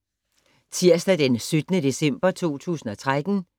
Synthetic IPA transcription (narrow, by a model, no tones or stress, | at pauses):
t͡sʰiɐ̰sd̥æd̥ensød̥ənəd̥e̝sem̰b̥ɐt͡sʰo̝̰ːt͡sʰṵːsn̩ɒ̽t͡sʰʁad̥n̩